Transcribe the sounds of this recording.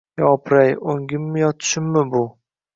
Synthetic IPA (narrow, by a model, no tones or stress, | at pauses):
jɒpʰɾajoŋɡʲɪmːɪjɒt̪ʰʃɪmːɪbʊ